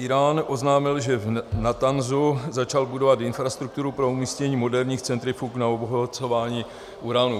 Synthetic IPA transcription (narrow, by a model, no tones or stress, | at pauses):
ʔɪɾaːnʔo̞znaːmɪlʒɛvnat̪anzuzat͡ʃalbudo̞vat̪ɪnfɾast̪ɾuk̚t̪uɾupɾo̞umiːscɛɲiːmo̞dɛɾɲiːxt͡sɛnt̪ɾɪfuknaobɦot͡so̞vaːɲiː | ʔuɾaːnu